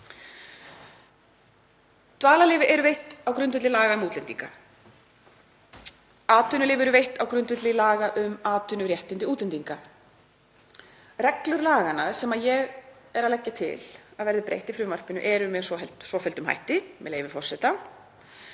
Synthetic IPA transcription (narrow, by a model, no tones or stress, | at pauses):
t̪vaːlalɪːvɪʔɛɾʏvejht̪awkɾʏnt̪vɪt̪lɪlaːɣaʏmuːt̪lɛnt̪iŋka | aːt̪ʏnʏlɪːvɪɛɾʏvejht̪awkɾʏnt̪vɪt̪lɪlaːɣaʔʏmaːt̪ʰʏnʏɾjɛht̪ɪnt̪ɪuːt̪lɛnt̪iŋka | rɛklʏɾlaːɣanasɛmaðjɛɣɛɾaðlɛcːat̪ʰɪ̰laðvɛɾðɪpɾḛjht̪ɪfɾʏmar̥pɪnʏ̰ʔɛɾʏmɛsvɔɦɛlt̪svɔfɛlt̪ʏmha̰jht̪ɪmɛ̰ðleːjvɪfɔr̥sɛt̪a